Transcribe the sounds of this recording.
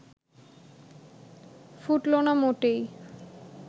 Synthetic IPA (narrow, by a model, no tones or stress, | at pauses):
fuʈlonamoʈej